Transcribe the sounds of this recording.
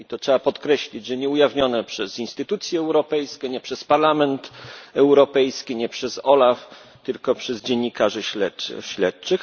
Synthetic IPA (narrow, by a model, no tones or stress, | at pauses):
it̪ɔtʂɛbapɔt̪kɾɛɕlʲid͡ʑʐɛɲɛujavɲɔnɛpʂɛzinst̪ɘt̪ut̪sʲjɛːwɾɔpɛjskʲɛɲɛpʂɛspaɾlamɛnt̪ɛwɾɔpɛjskʲiɲɛpʂɛzɔlaf | t̪ɘlkɔpʂɛzd͡ʑeɲːikaʐɛɕlɛt͡ʂɕlɛt̪t͡ʂɘx